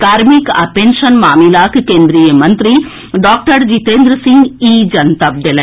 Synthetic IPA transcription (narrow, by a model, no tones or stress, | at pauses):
kaːɾmikɐ̰penʃɐnmaːmilaːkkeːnd̪ɾijɐmɐnt̪ɾi | ɖaːk̚ʈɐɾd͡ʒit̪eːnd̪ɾɐsiŋɡiːd͡ʒɐnt̪ɐb̚d̪ɐlɐ